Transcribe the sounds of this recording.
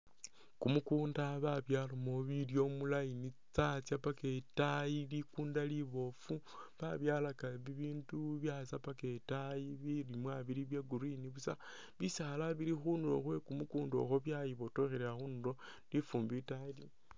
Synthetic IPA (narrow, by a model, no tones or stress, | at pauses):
kumukuːndaβaβjalomoβiljo̞mulajinit͡sat͡sjapaketajilikuːndaliβo̞fu | βaβjalakaβiβiːnduβjasapaketajiβilimwaβiɾiβjeɡuɾiniβusa | βisaːlaβiɾixunulo̞̰xwe̞kumukuːndo̞̰xoβjajiβo̞toxeɾeaxunulo̞ | lifuːmbitaili